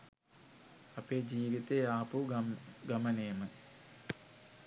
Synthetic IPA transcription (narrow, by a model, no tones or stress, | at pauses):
ɐpeːd͡ʒiːʋit̪eaːpuɡɐmɐneːmə